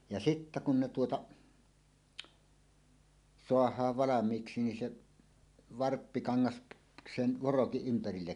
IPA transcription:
jɑ sitːæ kun ne tuotɑ soɑhˑɑːʋ ʋɑlɑmˑiːksi nin se ʋɑrpːikɑŋːɑs sen ʋorokiʔ ʔympærilːek

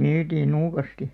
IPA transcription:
nyːtiːn nuːkɑsti

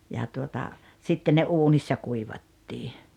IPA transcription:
jɑ tuotɑ sitːe ne uːnisːɑ kuiʋɑtːiː

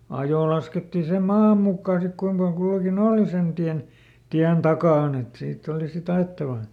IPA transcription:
ɑjoˑ lɑsketːi sem̆ mɑːm mukːɑː sik kuim pɑl kulːɑkin oːli sen tiæn tiæn tɑkɑˑn et siːtː oli sit ɑetːɑʋɑ

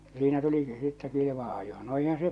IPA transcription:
jɑ siːnæ tuliki sitːɛ kiliʋɑ̃ː ɑjo̥ no eihæ̃ː se

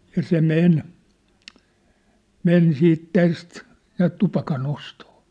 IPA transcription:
jɑ se men men siːt tæst næːt tupɑkɑn ostoː

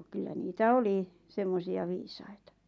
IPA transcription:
kylːæ niːtæ oli semːosiɑ ʋiːsɑitɑ

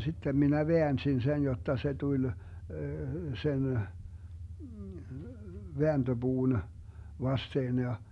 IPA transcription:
sitːem minæ ʋeænsin sen jotːɑ se tulʲ sen ʋeænd̥øb̥uːn ʋɑsteːn jɑ

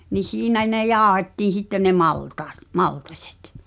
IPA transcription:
ni siːnæ ne jɑːŏhetːiːn̞ sitːe ne mɑltɑːt mɑltɑsʲe̥t

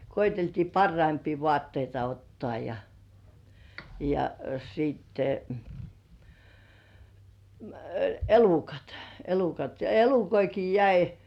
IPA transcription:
koiteltiː pɑrːɑimpiː ʋoɑˑtːeitɑ otːŏɑˑ jɑ jɑ sitːe m̩ elukɑt elukɑt jɑ elukoiki jæi

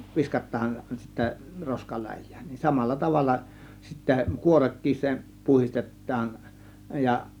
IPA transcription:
ʋiskɑtˑɑːn sitːæ roskɑlæjˑæ̥ːn̥ nin sɑmɑlːɑ tɑʋɑlːɑ sitːæ kuorekːis se puhistetˑɑːn jɑ

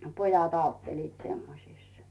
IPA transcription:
pojɑt ɑutːeliːt semːosiˑs

